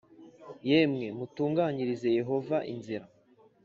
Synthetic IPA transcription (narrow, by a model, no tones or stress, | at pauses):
jemŋe̞mutuːŋɡaɲiɾize̞je̞ɦo̞vaʔḭnziɾa